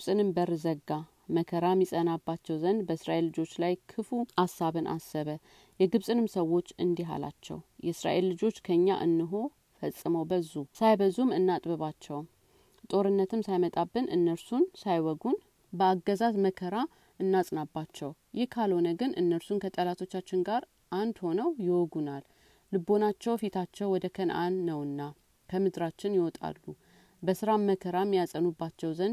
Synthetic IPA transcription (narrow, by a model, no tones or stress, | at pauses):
ɡsʼɨnɨmbəɾzəɡːa | məkʰəɾamːisʼənabːat͡ʃːɛwzənd̪bəɨsɾaʔe̞lːɨd͡ʒo̞t͡ʃːlajkʰɨfuasːaβɨnʔa̰səβə | jɛɡɨβsʼɨnɨmsəwːo̞t͡ʃːɨnd̪iɦa̰la̰t͡ʃːɛ̰wjɛɨsɾa̰ʔe̞lːɨd͡ʒo̞t͡ʃːkʰəɨɲːa̰ʔɨnːɨɦo̞ | fəsʼːɨməwbəzːusajbəzumɨnːat̪ʼbɨβat͡ʃːɛw | t̪ʼo̞ɾɨnːət̪ʰɨmsajmət̪ʼabːɨnɨnːəɾsunsajwɔɡun | bəaɡːəzazməkʰəɾa | ɨnːasʼnabːat͡ʃːɛw | jɪhkʰalho̞nəɡɨnʔɨnːəɾsunkʰət̪ʼəlat̪ʰo̞t͡ʃːat͡ʃːɪnɡaɾ | ʔand̪ho̞nəwjɪwɔɡunalː | ɨbːo̞nat͡ʃːɛwfit̪ʰat͡ʃːɛwːɔd̪əkʰənʔa̰nːəwɨnːa | kʰəmɨd̪ɾat͡ʃːɪnjɪwɔt̪ʼa̰lːu | bəsɨɾaməkʰəɾajmːijasʼənubːat͡ʃːɛwzənd̪